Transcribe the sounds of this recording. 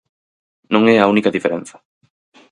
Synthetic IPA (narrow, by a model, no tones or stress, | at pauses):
nõŋɛaunikɐðifeɾen̟θɐ̥